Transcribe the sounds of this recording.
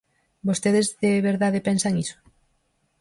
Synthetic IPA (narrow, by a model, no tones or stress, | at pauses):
bost̪eðezðeβeɾðaðepensaŋiso̥